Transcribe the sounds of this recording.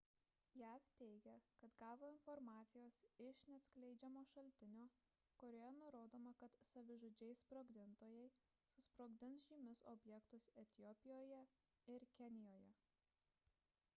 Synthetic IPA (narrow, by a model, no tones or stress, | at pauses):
jæːft̪ʲɛɪɡʲɛkɐt̪ɡɑːʋoːɪnfɔɾmɑːt̪sʲɪjoːsɪʃnʲɛsʲklʲɛɪd͡ʒʲɛmoːʃɐlʲt̪ʲɪnʲoː | koːɾʲoːjɛnʊɾoːd̪oːmɐkɐt̪sɐʋʲɪʒoːd͡ʒʲɛɪspɾoːɡd̪ʲɪnt̪oːjɛɪ | sʊspɾoːɡd̪ʲɪns̬ʒʲiːmʲɪsɔbʲjɛkt̪ʊsɛt̪ʲɪjɔpʲɪjoːjɛ | ɪɾkʲɛnʲɪjoːjɛ